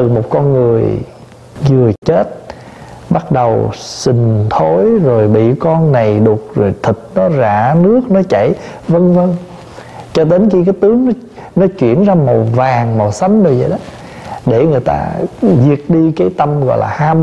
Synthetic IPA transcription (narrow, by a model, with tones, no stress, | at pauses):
t̪ɨ˨˩mo˨˩t̚kɔ˧nŋɨ˨˩əj | ɣɨ˨˩ət͡ɕe˦˥t̚ | ɓa˦˥t̚ɗə˨˩wsï˨˩ŋ̟t̪ʰo˨˦jzo˨˩jɓḭ˧˨kɔ˧nna˨˩jɗu˨˩ək̚zo˨˩jt̪ʰi˨˩t̟̚nɔ˨˦za̰ː˧˩˥nɨ˦˥ək̚nɔ˨˦t͡ɕa˧˩˨jvə˧ŋvə˧ŋ | t͡ɕɔ˧t̪e˨˦nxi˧kaː˨˦jt̪ɨ˨˦əŋnɔ˨˦ | nɔ˨˦t͡ɕwḭ˧˨ənzaː˧mo˨˩vaː˨˩ŋmɔ˨˩w̚sa˨˦nzo˨˩jzə̰˨jɗə˨˦ | ɗe˧˩ŋɨ˨˩əjt̪a̰ː˧zi˨˩ək̚ɗi˧kaː˨˦jt̪ə˧mɣɔ̰˧˨jlaː˨˩haː˧m